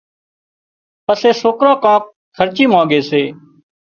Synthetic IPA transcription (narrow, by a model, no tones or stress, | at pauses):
pəseːsoːkɾãːkãːk̚ | kʰəɾt͡ʃiːmãːɡeːseː